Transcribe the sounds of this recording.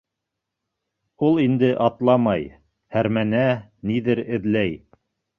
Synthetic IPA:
ulˠind̪ɘʔɑt̪lˠɑmɑj | hæɾmænæniðɘɾɘ̆ðlæj

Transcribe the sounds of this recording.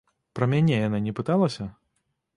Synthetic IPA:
pɾɐmʲanʲɛjananʲɛpɨt̪alˠɐsʲɐ

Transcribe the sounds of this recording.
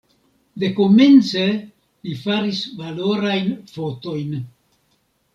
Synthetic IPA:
de̞ko̞me̞nt͡se̞ | lifaɾisvalo̞ɾajnfo̞to̞jn

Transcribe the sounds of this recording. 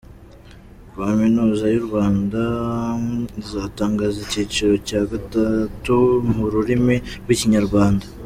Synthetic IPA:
aminuːzajuɾɡwaːnda | zaːtaːŋɡaːzeciːt͡ʃiɾo̞caːɡatatumuɾuɾimiɾɡwiciɲaɾɡwaːnda

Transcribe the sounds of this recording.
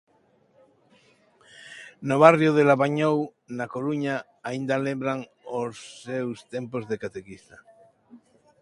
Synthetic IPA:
noβ̞arjoðelaβaɲow | nakoɾuɲa | aind̪alẽmbɾaŋ | osːewst̪empozðekat̪ekist̪a

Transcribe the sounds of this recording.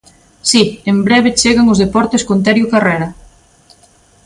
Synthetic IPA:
siembɾɛβ̞et͡ʃeɣaŋʊzðepɔɾt̪eskont̪ɛɾjʊkareɾɐ

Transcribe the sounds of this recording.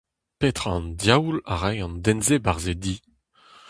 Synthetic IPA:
pet̪χɑ̃ndjawla̰ʁɛjɑ̃nd̪ɛnzebaʁzed̪i

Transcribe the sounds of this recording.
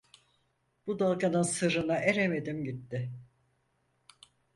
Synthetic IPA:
b̥ud̪alˠkanɯnsɯɾɯnaʔeɾeme̞d̪imɟit̪ːɪ

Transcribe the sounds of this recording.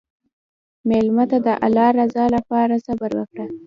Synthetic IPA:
melmat̪ad̪əʔa̰lɑɾazɑlapɑɾasabaɾwə̰kɽa

